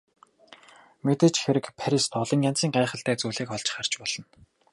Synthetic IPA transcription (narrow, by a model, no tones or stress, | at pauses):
met̪ɘ̆t͡ɕxeɾɘ̆kpʰæɾʲist̪ɔɮɞ̆ŋjan̥t͡siːŋɢæːχə̆ɬt̪æːt͡suːɮeːkχɔɮt͡ɕ̆χar̥t͡ɕpɔɮ̥ɞ̆n